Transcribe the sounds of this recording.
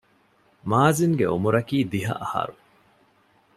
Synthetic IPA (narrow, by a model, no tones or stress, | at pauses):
maːziŋɡeo̰muɾɐkiːd̪iɦɐ̰ʔɐhɐ̰ɾu